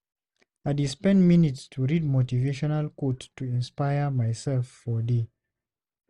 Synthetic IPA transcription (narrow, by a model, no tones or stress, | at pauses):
adispɛ̃nminitstʰuɹid̚motiveʃɔnalkottːuĩnspajəmajsɛlfːɔdi